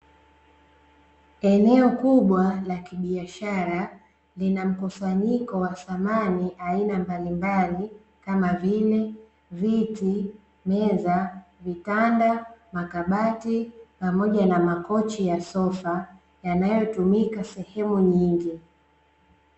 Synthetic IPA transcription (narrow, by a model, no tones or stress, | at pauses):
ɛnɛɔkuɓwalakiɓiaʃaɾa | linam̩kusaɲikɔwaθamaniʔainambalimbali | kamavilɛ | viti | mɛzavitandamakaɓatipamɔʄanamakɔt͡ʃijasɔfa | janajɔtumikasɛhɛmuɲiŋɡi